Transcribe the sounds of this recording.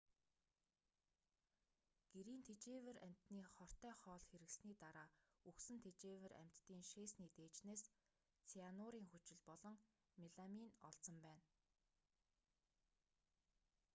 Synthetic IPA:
ɡ̥eɾiːnt̪ʰet͡ɕeːwɘ̆ɾæm̥ʲt̪niːχɔr̥t̪œːχɔːɮxeɾɘ̆ksniːt̪aɾaːuksɘ̆nt̪ʰet͡ɕeːwɘ̆ræ̰m̥ʲt̪ːiːŋʃeːsniːt̪eːt͡ɕneːs | t͡sʰianʊɾiːŋxut͡ɕɪ̆ɮpɔɮɞ̆ŋ | miɮaminɔ̰ɬt͡sə̆mpæːn

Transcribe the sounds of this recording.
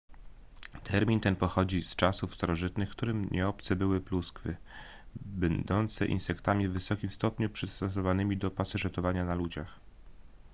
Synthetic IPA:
t̪ʰɛɾmʲint̪ɛnpɔxɔd͡ʑist͡ʂasufst̪aɾɔʐɘt̪nɘxkt̪uɾɘmɲʔɛɔpt̪sɛbɘwɘpluskfɘ | bɛnd̪ɔnt̪sɛ̰ʔḭnsɛkt̪amʲivːɘsɔkʲimst̪ɔpɲupʂɘst̪ɔs̬ɔvanɘmʲid̪ɔpasɛʐɛt̪ɔvaɲanalud͡ʑax

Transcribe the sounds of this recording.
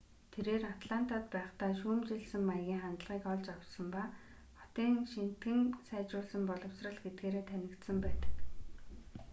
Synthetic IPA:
t̪ʰeɾeːrat̪ɮan̥t̪aːt̪pæːχt̪aːʃuːmt͡ɕeɮsɘ̆mːajɣʲiːŋχant̪ɮʁiːkɔɮt͡ɕawt͡ɕsɞ̆mpa | χɔ̥t̪iːŋʃin̥t̪ɡɘ̆ŋsæːt͡ɕʊːɮsə̆mpɔɮɞ̆wsrə̆ɮɡet̪̚ɡeːɾeːt̪ʰænʲɪ̆kt̪sə̆mpæːt̪ə̥̆k

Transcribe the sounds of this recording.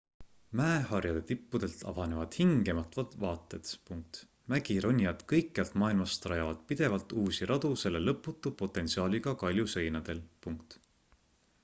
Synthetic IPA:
mæehɑrjɑd̪e̞t̪ipːud̪̥e̞lt̪ʰɑ̰vɑne̞vɑd̪̥hiŋɡ̥e̞mɑt̪vɑt̪vɑːt̪ːˑe̞t̪puŋk̚t̪ | mæɡ̥iɾo̞nʲːjɑd̪̥kɤjkːjɑlt̪mɑːilmɑst̪rɑjɑvɑd̪̥pid̪̥e̞vɑlt̪uːsiɾʔɑd̪̥use̞lːe̞lɤpːˑut̪ːˑupo̞t̪ːˑe̞nt̪siɑːlʲiɡ̥ɑkɑlʲjuse̞jnɑd̪̥e̞lpuŋkt̪

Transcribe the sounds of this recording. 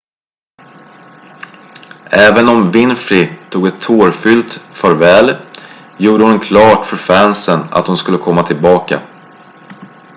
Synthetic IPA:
ɛːvənɔmvɪnfɾɪt̪ʰuːɡɛt̪ʰːoːɾfʏlt̪fœɾvɛːl | juːɖəhʊnkʰlɑːʈfœɾfænsəna̰t̪hʊnskɵlːəkʰɔmːat̪ʰɪlbɑːka̰

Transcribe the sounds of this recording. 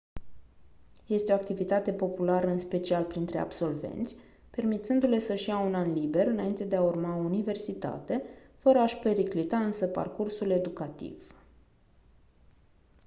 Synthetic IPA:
je̞st̪eoakt̪ivit̪at̪e̞po̞pulaɾəɨnspe̞t͡ʃialpɾint̪ɾe̞a̰bso̞lve̞̰nt̪sʲ | pe̞rmit̪sɨnd̪ule̞səʃijaunanlibe̞ɾɨnaint̪e̞d̪eaurmaounive̞rsit̪a̰t̪e̞fəɾəaʃpe̞ɾiklit̪aɨnsəpa̰rkursule̞d̪ukat̪ḭv̥

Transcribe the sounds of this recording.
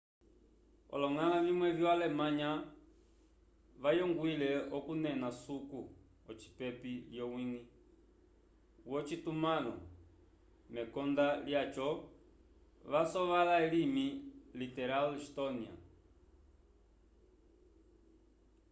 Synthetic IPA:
ɔ̰lɔŋalavimwɛvjɔwalɛmaɲa | βajɔŋɡwilɛɔkunɛnasuku | ɔt͡ʃi̥pɛpiljɔwiŋi | wɔt͡ʃitumalɔ | mɛkɔndaljat͡ʃɔ | ʋasɔʋalaɛlimilitɛɾaliʃtɔnia̰

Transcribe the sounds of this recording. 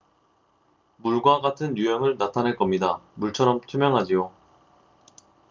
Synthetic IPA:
muɭɡwaɡatʰɯnjujʌŋɯɭnatʰanɦeɭk͈ʌmɲidamuɭt͡ɕʰʌɾʌmtʰumjʌŋɦad͡ʑijo

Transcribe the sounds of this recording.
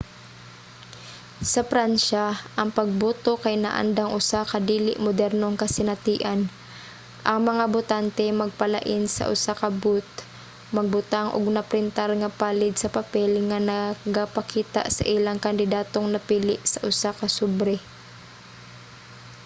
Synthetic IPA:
sɐpɾanʃaʔɐŋpɐɡ̚buːt̪okɐjna̰ʔa̰nd̪aŋʔʊsakɐd̪iːlɪʔmʊd̪ɛɾnoŋkɐsɪnɐt̪iːʔan | ʔɐŋmɐŋabʊt̪ant̪ɛmɐɡ̚pɐla̰ʔɪnsɐ̰ʔʊ̰sakɐbut̪̚ | mɐɡ̚bʊt̪aŋʔo̰ɡnɐpɾɪnt̪aɾŋɐpaːlɪd̪sɐpɐpɛlŋɐnɐɡapɐkiːt̪a̰ʔsɐ̰ʔɪlaŋkɐnd̪ɪd̪aːt̪oŋnɐpiːlɪʔsɐʔʊsakɐsubɾɛ

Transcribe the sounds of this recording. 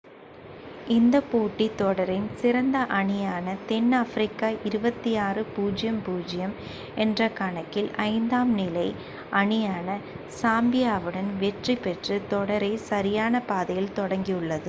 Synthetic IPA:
ɪnd̪ɐpoːʈːit̪ːɔɽɐɾɪnsɪɾɐnd̪ɐʔɐɳɪjaːnɐt̪ɛnːɐfɾɪkːaːʔɪɾɯbɐt̪ːijaːrɯpuːd͡ʒɪjɐmpuːd͡ʒɪjɐm | ɛndrɐkaːɳɐkːɪlʔɐɪnd̪aːmnɪlɐɪ | ʔɐɳɪjaːnɐ | saːmbɪjaːʋɯɽɐnʋɛʈripɛʈrɯt̪ɔɽɐɾɐɪsɐɾɪjaːnɐpaːðɐjɪlt̪ɔɽɐŋɡiɯɭːɐðɯ

